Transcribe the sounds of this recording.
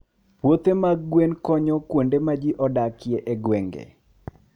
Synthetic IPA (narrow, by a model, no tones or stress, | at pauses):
pwot̪emaɡwenkɔɲɔkwondemad͡ʒiʔɔdakɪeʔeɡwɛŋɡḛ